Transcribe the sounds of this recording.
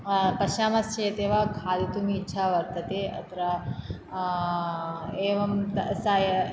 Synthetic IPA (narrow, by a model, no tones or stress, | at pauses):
pɐʃaːmɐst͡ʃeːt̪eːʋɐkʰaːd̪it̪umiːtːʃʰaːʋɐɾt̪ɐt̪eːɐ̰t̪ɐɾɐ | eːʋɐmt̪ɐsaj